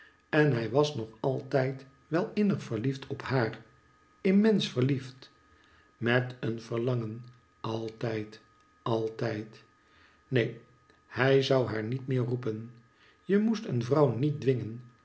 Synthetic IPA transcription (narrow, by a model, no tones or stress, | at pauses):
ɛnɦɛjʋɑsnɔχɑlˠtɛjt | ʋɛlˠɪnəχfəɹliftʰɔphaːr | ɪmɛnsfəɹlift | mɛtənv̥əɹlɑŋən | ʔɑlˠtɛjt | ɑlˠtɛjt | nej | hɛjzʌwɦaːɹnitmɪːɹrupən | jəmustənvrɑwnit̚dʋɪŋən